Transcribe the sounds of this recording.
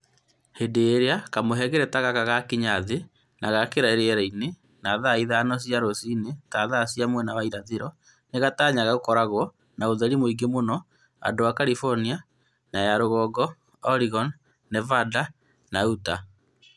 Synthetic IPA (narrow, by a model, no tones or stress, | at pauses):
hedeːɾeakamoɦɛɣɛɾɛtaɣakaɣakiɲaðe | nʔaɣakeɾaeɾeɛɾaine | naðaiðaːnɔs̬jaɾosinetaðasjamwɛnawaiɾaðeɾɔ | neɣataːɲaɣaɣokɔɾaɣwɔ | naoðɛɾimoiɡemonɔ | a̰dowakaɾifɔɾnia | najaɾoɣɔɡɔ | ɔɾiɣɔn | nɛvada | nauta